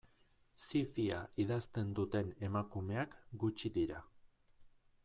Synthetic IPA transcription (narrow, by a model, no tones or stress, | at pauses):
sifia̰iðast̪e̞nd̪ut̪e̞ne̞makume̞akɡut͡ʃiðiɾa